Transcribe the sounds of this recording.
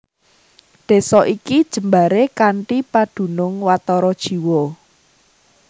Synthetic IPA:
ɖ̪̥e̤sɔʔikid̥ʒ̥ə̤mbaɾekaɳʈipaɖ̪̥ṳnʊŋwat̪ɔɾɔd̥ʒ̥i̤wɔ

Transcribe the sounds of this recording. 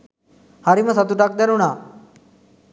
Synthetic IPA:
haɾiməsat̪uʈak̚d̪ɛɾuna

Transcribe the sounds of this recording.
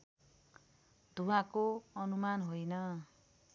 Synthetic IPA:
d̪̥ʱuwãkoʌnumanɦojnʌ

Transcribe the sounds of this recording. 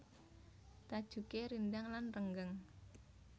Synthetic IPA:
t̪ad̥ʒ̥ṳkeɾind̪aŋlanrəŋɡəŋ

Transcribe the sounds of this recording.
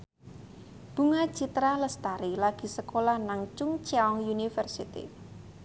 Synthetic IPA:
b̥ṳŋḁt͡ʃit̪ɾaləst̪aɾilaɡ̥i̤səkolahnaŋt͡ʃʊŋt͡ʃɛɔŋjunifərsit̪ḭ

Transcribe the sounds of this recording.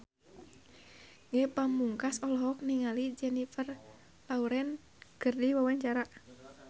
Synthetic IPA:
ŋɛpamuŋkasɔlɔɦɔk̚niŋalid͡ʒɛnifər | lauɾɛn | ɡ̥ərdiwawaɲt͡ʃaɾa

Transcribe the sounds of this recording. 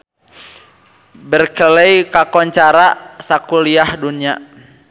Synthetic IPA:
bərkəlɛjkakɔɲt͡ʃaɾasakuliahdunia

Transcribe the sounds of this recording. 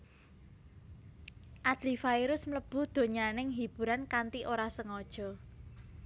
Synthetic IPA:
ʔad̪̥lifaiɾʊsmləb̥ṳd̪̥o̤ɲanɪŋɦib̥ṳɾankant̪iʔoɾasəŋɔd̥ʒ̥ɔ̤

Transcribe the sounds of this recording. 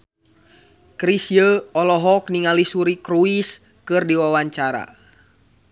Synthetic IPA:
kɾisjəɔlɔɦɔk̚niŋalisuɾikɾuis | kɨrdiwawaɲt͡ʃaɾa̰

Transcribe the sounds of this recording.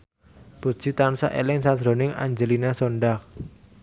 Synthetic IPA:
b̥u̥ʒ̥i̤t̪ansa̰ʔḛlɪŋsadɾo̤nɪŋa̰ɲd͡ʒəlinasoɳɖak

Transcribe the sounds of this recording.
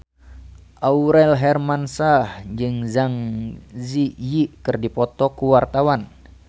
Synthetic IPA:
ʔauɾɛlɦɛrmansahd͡ʒɨŋzaŋzijiʔkɨrdipɔt̪ɔkuwart̪awan

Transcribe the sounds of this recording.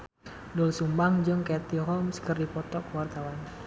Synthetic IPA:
dʊlsumbaŋd͡ʒɨŋkɛt̪iɦɔmskərdipɔt̪ɔkəwart̪awan

